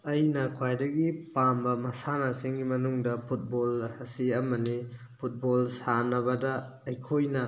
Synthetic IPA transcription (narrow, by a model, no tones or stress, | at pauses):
ɐjnɐkʰwajdɐɡipambɐmɐsanɐsiŋɡimɐnuŋdɐpʰut̚bolhɐsiɐmɐni | pʰut̚bolsanɐβɐdɐ | ɐjkʰojnɐ